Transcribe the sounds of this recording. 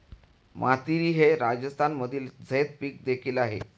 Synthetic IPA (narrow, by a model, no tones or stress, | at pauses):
mʔat̪iɾiːɦeɾad͡ʑəst̪ʰanməd̪ʱiːld͡zʱəjt̪̚piːk̚d̪ekʰiːlaɦḛ